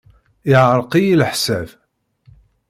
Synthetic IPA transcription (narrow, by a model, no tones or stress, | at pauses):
ɪʕɾˤqijilħsæv